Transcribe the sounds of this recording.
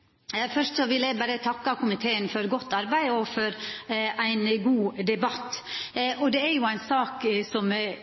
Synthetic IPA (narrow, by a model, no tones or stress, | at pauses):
fœʂʈsɔʋɪlæɪbæɾət̪ʰɑkːɑkʊmɪt̪ʰeːənfɔɾɡɔt̪ːɑɾbæɪɔfɔɾæɪnɡuːd̪ɛbɑt̪ːʔɔd̪ɛæɾjʊæɪnsɑːksɔm